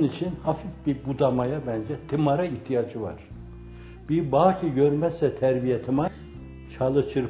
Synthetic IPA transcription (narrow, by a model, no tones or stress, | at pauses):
nit͡ʃʰinhafifbibud̪amajabænd͡ʒɛt̪ʰimaɾaiht̪ʰijad͡ʒɯva̰ɾ̥ | b̥iɾbaːcʰiɟøɾmɛsɛt̪ʰæɾbijat̪ʰima | t͡ʃʰalˠɯt͡ʃʰɯɾ